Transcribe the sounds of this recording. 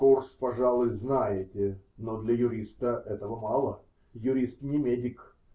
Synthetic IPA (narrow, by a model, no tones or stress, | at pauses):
korspɐʐalˠʊjznajɪtʲɪnod̪lʲəjʊɾʲist̪əʔɛt̪əvəmɑlˠə | jʊɾʲist̪t̪ʲnʲɪmʲedʲɪk